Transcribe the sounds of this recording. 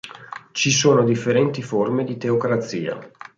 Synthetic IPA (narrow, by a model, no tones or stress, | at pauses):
t͡ʃisoːnod̪ifːeɾɛnt̪iformed̪it̪eokɾat̪sːiːa̰